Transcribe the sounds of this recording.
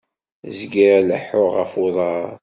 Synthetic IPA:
zɡiɾæləħʊʁəfuðˤɑɾˤ

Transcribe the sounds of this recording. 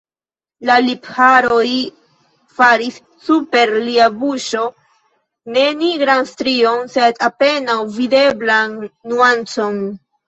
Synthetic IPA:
laliphaɾo̞j | faɾisːupe̞ɾliabuʃo̞ | ne̞niɡɾanstɾio̞nse̞dape̞nawvide̞blanːuant͡so̞n

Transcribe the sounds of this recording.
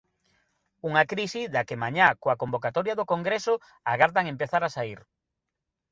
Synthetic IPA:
uŋakɾisiðakɪmaɲakoakombokat̪ɔɾjaðokoŋɡɾesʊ | aɣaɾðaŋempeθaɾasaiɾ

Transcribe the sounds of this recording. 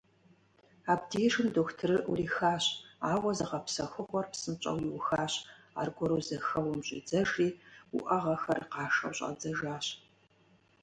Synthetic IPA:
aːbdeːʃɨmdoːktʰɨrɨʔṵriːxaːɕaːwɐzɐʁɐpsɐxɨχʷɔrpsɨmt͡ʃʼɐ̰wjiwʊxaːɕ | a̰ːrɡʷɔɾoːzɐxɐwʊmɕʼɪ̰d͡zɐʒiːuʔɐʁɐxɐrqɑːʂɐ̰wɕʼɐ̰d͡zɐʒaːɕ

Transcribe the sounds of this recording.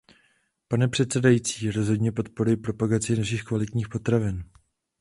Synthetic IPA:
panɛpr̝̥ɛt̪sɛdajiːt͡siːɾo̞zɦo̞dɲɛpo̞t̪̚poɾujɪpɾo̞paɡat͡sɪnaʃiːxkvalɪt̪ɲiːxpo̞t̪ɾavɪn

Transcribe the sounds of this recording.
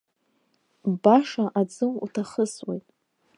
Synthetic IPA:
baʂaʔad͡zɨmṵtʰaχəswḛjtʼ

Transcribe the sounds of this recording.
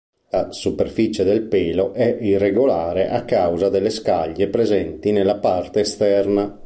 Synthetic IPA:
lasupeɾfit͡ʃed̪ɛlpeːloʔɛirːeɡolaːɾeʔakːawzad̪ɛlːeskaʎːepɾezɛnt̪inelːapart̪eːst̪ɛrna

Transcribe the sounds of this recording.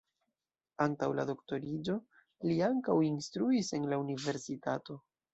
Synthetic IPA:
antawla̰do̞kto̞ɾid͡ʒo̞ | liaŋkawinstɾuise̞nlaunive̞ɾsitato̞

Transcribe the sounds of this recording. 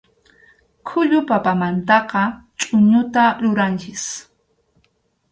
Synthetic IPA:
kʰʊʎʊpapamant̪ɑqɑt͡ʃʼʊɲʊt̪aɾʊɾant͡ʃɪs

